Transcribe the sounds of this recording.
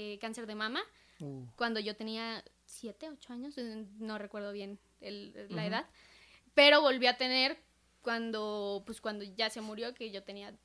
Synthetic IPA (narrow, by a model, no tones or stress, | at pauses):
ekanse̞ɾðe̞mãma | kwand̪o̞ʝo̞t̪e̞nia | sje̞t̪eot͡ʃo̞aɲo̞sno̞re̞kwe̞ɾð̞o̞βje̞n | elaeðað | pe̞ɾo̞βo̞lβjoat̪e̞ne̞ɾ | kwand̪opweskwand̪o̞ʝase̞muɾjo̞keʝo̞t̪enia